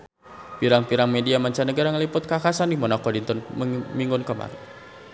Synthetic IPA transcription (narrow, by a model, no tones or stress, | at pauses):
piɾaŋpiɾaŋmediamaɲt͡ʃanəɡaɾaŋəlipʊt̪̚kakasandimɔnakɔdint̪ɔnməmiŋɡʊnkəma̰ɾi